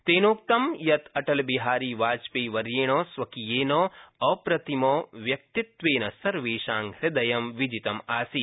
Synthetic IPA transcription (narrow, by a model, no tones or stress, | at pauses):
t̪eːnoːk̚t̪ɐmjɐt̪ʰɐʈɐlbiɦaːɾiːʋaːt͡ʃpeːʋɐɾjeːɳ̃oːsʋɐkijeːnoːɐpɾɐt̪imoːʋjɐk̚t̪it̪ʋeːnɐsɐɾʋeːʃaːŋɾɪd̪ɐjɐmʋid͡ʒit̪ɐmaːsi